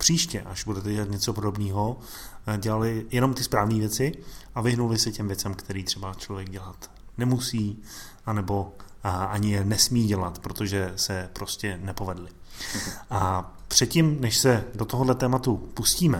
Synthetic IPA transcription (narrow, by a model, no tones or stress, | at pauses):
pr̝̥iːʃcɛʔaʒbudɛt̪ɛɟɛlat̪ɲɛt͡so̞po̞do̞bniːɦo̞ | ɟɛlalɪjɛno̞mt̪ɪspɾaːvniːvjɛt͡sɪʔavɪɦnulɪsɛcɛmvjɛt͡sɛmkt̪ʰɛɾiːt̪r̝̥ɛbat͡ʃlo̞vjɛɡ̚ɟɛlat̪ | nɛmusiː | ʔanɛbo̞aɲɪjɛnɛsmiːɟɛlat̪pɾot̪oʒɛsɛpɾo̞scɛnɛpo̞vɛdlɪ | ʔa | pr̥ɛt̪cɪmnɛʃsɛdot̪oɦodlɛt̪ɛːmat̪upusciːmɛ